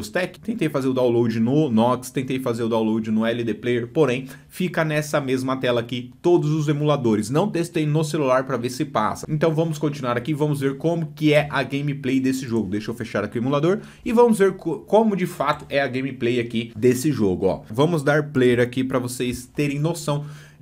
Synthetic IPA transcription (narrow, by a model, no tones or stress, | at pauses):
ost̪ɛkɪ̥t̪ẽnt̪ejfazeɾʊd̪awlowd͡ʒɪnʊnɔkst̪ẽnt̪ejfazeɾʊd̪awlowd͡ʒɪnʊɛlɪd̪eplejɾpoɾẽj̃ | fikɐnɛsɐmezmɐt̪ɛlɐaːkit̪od̪ʊzʊzemulad̪oɾɪsnɐ̃w̃t̪est̪ẽjnʊselulaɾpɾɐveɾsɪpa̰sɐẽnt̪ɐ̃w̃vɐ̃mʊskõt͡ʃinuaɾakiːvɐ̃mʊzveɾkõmʊkɪɛʔɐɡẽj̃miplejd̪esɪʒoɡʊd̪ejʃʊewfeʃaɾɐkiemulad̪oɾ | ɪvɐ̃mʊzveɾkkõmʊd͡ʒɪfat̪ʊ̥ɛɐɡẽj̃miplejakid̪esɪʒoɡʊɔ̰vɐ̃mʊzd̪aɾplejɾakipɾɐvosejst̪eɾẽj̃nosɐ̃w̃